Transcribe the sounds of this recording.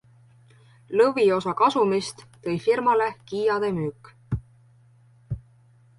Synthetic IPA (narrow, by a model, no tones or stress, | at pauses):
lɤvio̞sɑkɑsumist̪ːɤ̞jfirmɑle̞kiːjɑd̪̥e̞myːkːˑ